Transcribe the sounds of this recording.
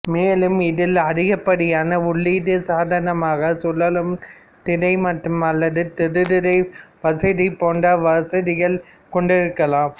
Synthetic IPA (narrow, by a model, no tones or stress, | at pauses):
meːlɯmɪðɪlɐɾɪɣɐpːɐɽɪjaːnɐʊɭːiːðɯsaːðɐnɐmaːɣɐsɔlːɐlɯm | t̪ɪɽɐɪmɐʈrɯmɐlːɐðɯt̪ɪɾɯðɪɽɐɪʋɐsɐðipoːndɐʋɐsɐðɪɣɐɭ | kɔɳɖɪɾɯkːɐlaːm